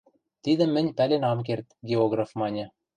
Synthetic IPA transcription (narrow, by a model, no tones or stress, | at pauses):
t̪id̪ɘ̆mːɘ̆nʲpælʲenɑmk̬ert̪ɡʲeoɡrafmɑnʲɘ̆